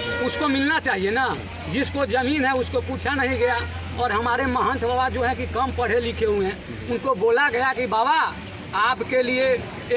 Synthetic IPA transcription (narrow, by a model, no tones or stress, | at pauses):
ʊskomɪlnat͡ʃaːɦiena | d͡ʒɪskod͡ʒəmiːnɦɛʊskopuːt͡ʃʰanəɦĩɡɐja | ɔːɾɦəmaːɾeməɦə̃nt̪ʰbabad͡ʒoɦɛ̃kikəmpəɽ̤elɪkʰeɦuɛ̃ | ʊnkoboːlaɡəjakibaːba | aːpkelie